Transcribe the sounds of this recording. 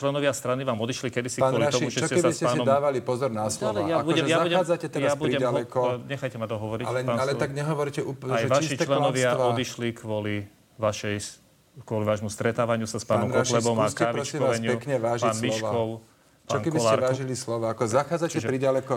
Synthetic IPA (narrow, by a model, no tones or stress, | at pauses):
t͡ʃlɛnɔʋɪast̪ɾaniʋaːmɔd̪iʃlikɛd̪isi̥kaːnwɔɔliat̪ɔiuʒɛsɔcɛɛbaiscɛasɛnɔd̪ːʋalipɔzɔɾnaslɔalɛjaabuɔɛɛjabauɟɛaːd͡zacɛt̪ɛɾaabuɾiɟɛmalɛkɔɲɛxajcɛmat̪ɔɦɔʋɔɾialɛaːnalɛt̪aɡɲɛɦɔʋɔɾcɛʔuːpajʋaʃit͡ʃlɛnɔʋɪaɔd̪iʃlikʋɔli | ʋaʃɛj | kʋɔliʋaːʒmust̪ɾɛt̪aːʋaɲɪusaspaːnɔmkɔʃlɛbɔmakaʋiɾɔst͡ʃkiːmɔasɲɪpɛkɲɛʋaːʒpaːnmiɔkːɔʊ | paɔːnkɛkbiɔslːɛɾʋaːʒilislɔʋaakɔzaxaːd͡zat͡ʃcɛʒɛpɾiɟalɛkɔ